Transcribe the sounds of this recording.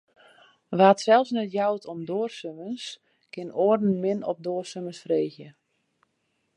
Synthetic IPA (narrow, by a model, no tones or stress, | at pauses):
ʋatsɛlˠsnɛtjawtʰɔmdoərsøməns | kɪnoːərdn̩mɪnɔp̚doːərsøməsfreːɣjə